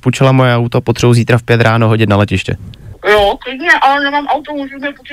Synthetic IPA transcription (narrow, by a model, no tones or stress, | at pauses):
put͡ʃɛlamojɛawt̪opot̪r̥ɛbuziːt̪ɾafpjɛt̪ɾaːnoɦo̞ɟɪt̪nalɛcɪʃcɛ̰joklɪdɲɛʔalɛnɛmaːmʔawt̪omuʒɛmɛpot̪